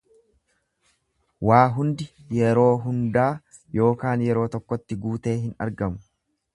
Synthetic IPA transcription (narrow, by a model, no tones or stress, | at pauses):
waːɦʊnd̪ɪ | jɛɾo̞ːɦʊnd̪aː | jo̞ːkaːnjɛɾo̞ːt̪ɔkːɔt̪ːɪɡuːt̪e̞ːɦɪnɐ̰ɾɡɐmʊ̥